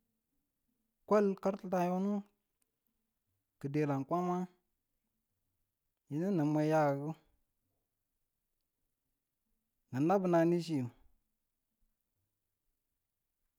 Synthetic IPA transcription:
kʷo˦lka˦ɾtə˦ta˨jo˦nu˦ | kə˨de˨la˨nkʷa˦ma˦ | ji˨nə˦nə˨ma˨ja˦˨ɡu˦ | ŋə˨na˦bə˨na˨ni˦ʃ̬i˦u˨

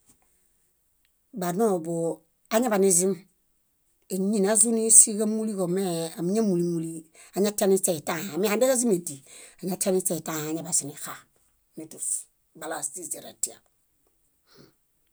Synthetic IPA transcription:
ba˨no˦˨bo˨ | a˦ɲa˦ba˨ni˦zi˦m | e˨ɲi˦˨na˨˦zu˦ni˦si˦ka˦mu˦li˦ko˨me˦a˨mi˦ɲa˦mu˨li˦mu˨li˦ | a˨ɲa˦t͡ʃa˦ni˦t͡ʃe˦˨i˨ta˦ha˨mi˦a˨nbe˦ka˦zi˦me˨di˨a˨ɲa˦t͡ʃa˦ni˦t͡ʃe˦˨i˨ta˦˨ha˨ɲa˨ba˨si˨ni˨xa˨ | ne˨tu˨s | ba˨la˨sti˦˨ze˨ɾa̰˨ti˦˨a̰˨

